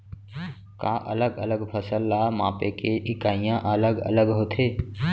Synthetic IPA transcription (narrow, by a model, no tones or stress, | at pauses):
ka̰ːʔə̰ləɡə̰ləɡpʰəsəlːamãːpekeʔɪkaːijãʔələɡə̰ləɡɦoːt̪ʰeː